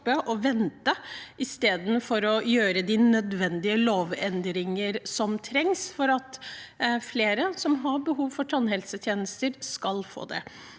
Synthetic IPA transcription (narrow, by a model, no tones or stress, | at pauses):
pːəʔɔʋɛnt̪əʔɪst̪eːd̪n̩fɔɾɔjøːɾəd̪ɪnœd̪ʋɛnd̪ɪəloːʋɛnd̪ɾɪŋəɾsɔmt̪ʰɾɛŋsfɔɾɑt̪ | fleːɾəsɔmɦɑbəɦuːʋfɔʈʰɑnɦɛlsət̪ʰjeːnəst̪əɾskɑlfo̰ːd̪ɛ̰